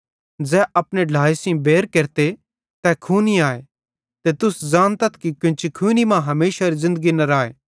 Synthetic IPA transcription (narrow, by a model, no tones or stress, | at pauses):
d͡zɛːɐpneɖʱaːisĩbeːɾkeːɾt̪e | t̪ɛkʰuːniaːe | t̪et̪ʊsd͡ʒaːnt̪ɐt̪ʰkikɪ̃nt͡ʃikʰuːnimãɦɐmeːʃaɾizɪ̃nd̪əɡinɐɾaːḛː